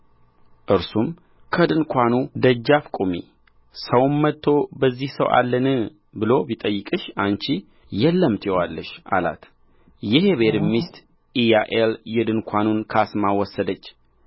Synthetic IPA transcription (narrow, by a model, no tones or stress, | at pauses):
ʔɨɾsum | kʰəd̪ɨnkʷʰanud̪əd͡ʒːafkʼumi | səwnːət̪ʰːo̞bəzːihsəwʔa̰lːənɨ | bɨlo̞bit̪ʼəjːɨkʼɨʃant͡ʃi | jɛlːəmt̪ʰjɛwalːəʃʔa̰la̰t̪ | jɛheβed̪mist̪ | ijaʔeljɛd̪ɨnkʰʷanunkʰasmawɔsːəd̪ət͡ʃː